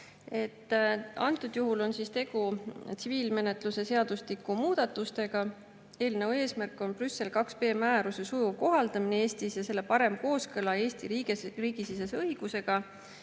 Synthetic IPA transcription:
e̞t̪ːɑ̰nt̪ːˑud̪̥juɦulo̞nsist̪e̞ɡ̥ut̪siviːlme̞ne̞t̪ˑluse̞se̞ɑd̪uslikːumuːd̪̥ɑt̪ːˑust̪e̞ɡ̥ɑ | e̞ːlneue̞ːsmærkːˑo̞nprysːe̞lkɑkspe̞ːmæːɾuse̞sujuko̞ɦɑld̪̥ɑmineeːst̪isjɑse̞lːe̞pɑɾe̞mko̞ːskɤlɑe̞ːst̪iɾiːɡeriːɡ̥isisesɤiɡ̥use̞ɡ̥ɑ

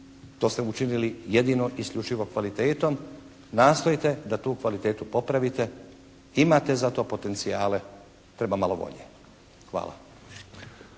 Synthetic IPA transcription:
t̪o̞ːst̪eut͡ʃinilijed̪ino̞ʔiskʎʲut͡ʃiʋo̞kʋalit̪eːt̪o̞m | naːst̪o̞jit̪e̞d̪at̪uːkʋalit̪eːt̪upo̞pɾaʋit̪e̞ | imat̪e̞zat̪o̞ːpo̞t̪e̞nt̪siaːle̞ | t̪ɾe̞bamalo̞ʋo̞̰ʎḛ | xʋa̰ːlˠa̰

